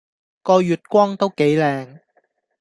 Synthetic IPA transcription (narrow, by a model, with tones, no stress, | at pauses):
kɔː˧jyː˨t̚kʷɔː˥ŋt̪o˥wke˨˥jlɛː˨˧ŋ